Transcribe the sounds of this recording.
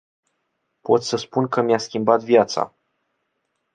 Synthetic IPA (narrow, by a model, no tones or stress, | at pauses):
po̞t̪səspunkəmiaskʲimbat̪vjat̪sa̰